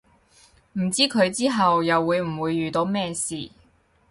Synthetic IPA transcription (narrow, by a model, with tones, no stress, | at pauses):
m̩˨˩t͡siː˥kʰɵ˨˧ɥt͡siː˥ɦɐ˨wjɐ˨wːuː˨˧jm̩˨˩wuː˨˧jːyː˨˩t̪o˨˧wmɛː˥siː˨˩